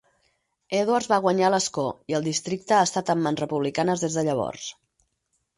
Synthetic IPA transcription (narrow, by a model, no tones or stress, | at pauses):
eðwaɾzβaɣ̞wəɲaləskoiəlˠd̪ist̪ɾik̚t̪əaːst̪at̪əmːanzrəpuβlikanəzðezðəʎəβ̞ɔ̰rs